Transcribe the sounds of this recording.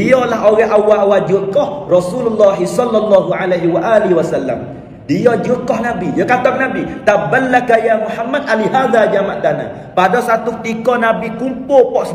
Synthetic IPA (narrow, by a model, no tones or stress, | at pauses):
iɔlaɦʔoɣɛɦʔawaʔwad͡ʒuʔkɔhrɔsululːaɦisɔlːɑlːɑɦuʕalaɦiwaʔaliɦiwasalːa̰m | diɔd͡ʒukɔhnabijəkat̪ɔknabit̪abalːakajamuħamːad̪̚ʔaliɦaðad͡ʒamaʔd̪ana̰ | padɔsat̪ukət̪ikɔnabikumpʊpɔʔs